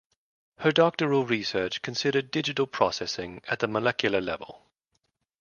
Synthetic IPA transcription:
hədɒk̚təɹəlˠɹisɜˑt͡ʃkʰə̃nsɪɾədɪd͡ʒɪtəlˠpʰɹ̥ɒsɛsɪ̃ŋəʔðəməlɛkʰjəlˠəlɛ̰və̰lˠ

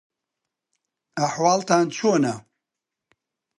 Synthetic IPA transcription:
aħwaːlt̪aːnt͡ʃʰoːnɐ

